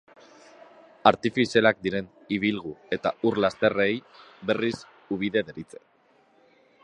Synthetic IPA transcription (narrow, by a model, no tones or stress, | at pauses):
aɾt̪ifiselak̚d̪iɾe̞n | iβ̞ilɣ̞ue̞t̪auɾlast̪e̞re̞jbe̞ris | uβ̞iðe̞ðe̞ɾit͡se̞̥